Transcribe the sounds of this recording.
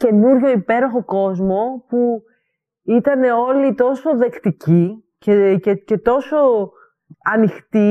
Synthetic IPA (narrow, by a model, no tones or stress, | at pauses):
ce̞nuɾʝo̞ipe̞ɾo̞xo̞ko̞zmo̞pu | it̪ɐne̞o̞lit̪o̞so̞ðe̞kt̪ici | cecece̞t̪o̞so̞ | ɐnixt̪i